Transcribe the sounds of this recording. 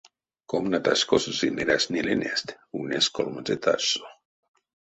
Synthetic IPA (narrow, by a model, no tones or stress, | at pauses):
komnat̪askosusineɾasnilenest̪ | uneskolmat͡set̪ʰa̰so̥